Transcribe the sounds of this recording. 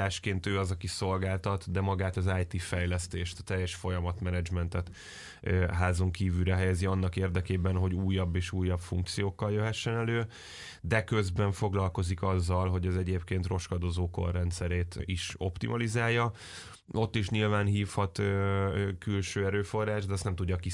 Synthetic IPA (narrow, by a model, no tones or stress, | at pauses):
aːʃkeːnt̪øːɒzɒkiso̞lɡaːlt̪ɒt̪d̪ɛmɒɡaːt̪ɒzaːjt̪ifɛjlɛst̪eːʃt̪ɒt̪ɛjːɛʃfo̞jɒmɒt̪mɛnɛd͡ʒmɛnt̪ɛt̪ː | ɦaːzo̞ŋkiːvyɾɛɦɛjɛziɒnːɒkeːrd̪ɛkeːbɛnɦoɟuːjːɒbːeːʃuːjːɒpfṵŋk̚t̪sijoːkːɒljøɦɛʃːɛnɛløː | d̪ɛkøzbɛɱfo̞ɡlɒlko̞zikɒzːɒlɦo̞ɟɒzɛɟeːpkeːnt̪ro̞ʃkɒd̪ozoːko̰rːɛnt̪sɛɾeːt̪iʃo̞̰pt̪ḭmʔɒlizaːjːɒ | o̞t̪ːiʃɲilvaːnɦiːfhɒt̪ː | kylʃøːɛɾøːfo̞rːaːʒd̪ɛːst̪nɛmt̪uɟːɒki